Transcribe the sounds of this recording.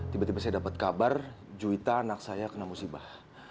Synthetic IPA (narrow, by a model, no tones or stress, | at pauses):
t̪ibat̪ibasajadapat̪̚kabar | d͡ʒuit̪aːnak̚sajakənamusibah